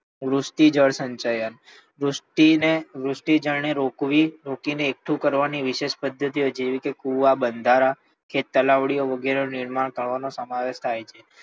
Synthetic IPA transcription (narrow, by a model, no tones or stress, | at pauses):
ʋɾusʈid͡ʒəɽsəɲt͡ʃajən | ɾuʈineʋɾusʈid͡ʒəɭneɾokʋiɾokineːk̚ʈʰũkəɾʋaniʋɪʃeʃpəd̪ʱːət̪iod͡ʒeʋikekuʋabənd̪ʱaɾa | kʰet̪ːəlaʋɽioʋəɡeɾenɪɾmaɳkəɾʋanosəmaʋeʃt̪ʰajt͡ʃʰe